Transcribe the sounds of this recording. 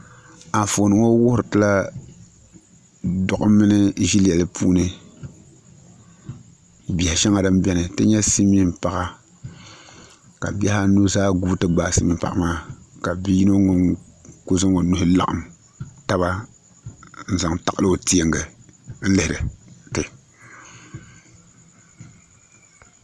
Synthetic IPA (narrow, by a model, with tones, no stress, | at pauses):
a˨fo˨nɨ˨ŋo˦wʊ˦hɾɨ˨tɨ˦la˦ | dɔ˨ʔʊ˦mɨ˦nɨ˦ʒi˦lɛ˨lɨ˦pʰṵː˦nɨ˦ | bi˨ha˨ʃɛ˦ŋa˨dɨ˦m˦bɛ˦nɨ˨tɨ˦ɲɛ˦si˦mi˦m˦pa˨ɣa˨ | ka̰˨bɛ˦ha˦nu˦zaː˦ɡu˦tɨ˦ɡ͡baː˦si˦mi˦m˦pa̰˨ʔa˨maː˦ka˨bi˦ji˦no˦ŋo˨ŋko˦zɨ˦ŋo˨nu˦hɨ˦la˨ʔa̰˨m | ta˦βa˦ | n̩˦za˨ŋta˨ka˦lɨ˦o˨ti˦e˨ŋɡɨ˨n̩˦lɪ˦hɪ˨ɾɨ˨tɨ˨